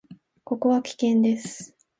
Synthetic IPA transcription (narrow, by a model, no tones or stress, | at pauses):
ko̞ko̞βakʲi̥kẽ̞nd̪e̞sɨ̥